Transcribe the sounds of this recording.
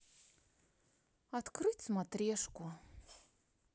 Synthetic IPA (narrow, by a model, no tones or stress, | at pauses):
at̪krɨt͡smat̪rʲeʂku